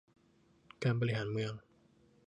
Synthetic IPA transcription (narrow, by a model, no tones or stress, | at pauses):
kampəliɦanmujaŋ